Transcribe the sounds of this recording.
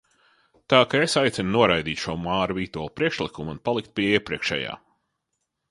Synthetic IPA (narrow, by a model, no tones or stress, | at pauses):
t̪aːkaesajt̪sɛnnuɔɾajd̪iːt̪ʃumaːɾviːt̪uɔlˠpɾiɛkʃlˠikumunpalˠikt̪̚piɛiɛpɾiɛkʃɛ̰ja̰ː